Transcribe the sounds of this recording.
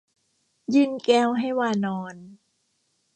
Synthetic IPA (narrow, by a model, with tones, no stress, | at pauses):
jɯː˧˩nkɛː˧˩wɦa˥˩jwaː˧˩nɔː˧n